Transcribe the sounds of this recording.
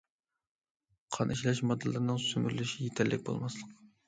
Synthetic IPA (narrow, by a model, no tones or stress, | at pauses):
qʰɑnʔiʃlɛʃmɑd̪ɨlˠɨɾnɨŋsymyɾlyʃijet̪ʰɛlːʔɪk̚ʲbo̰lˠmɑslˠəq